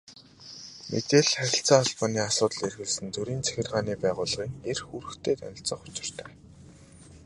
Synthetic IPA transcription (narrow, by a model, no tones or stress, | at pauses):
mʔḛt̪eːɮχæɾʲɪ̆ɬt͡saːaɮpaːniːasʊːt̪ə̆ɮerɣɘ̆ɮsɘ̆nt͡sɵɾiːnt͡sʰæ̥xʲɪ̆rʁaːniːpæːʁʊːɮʁiːŋerxuɾɘ̆xt̪ʰeːt̪œ̰nʲɪ̆ɬt͡sə̆ːχʊ̥t͡ɕɪ̥̆r̥t̪ʰœː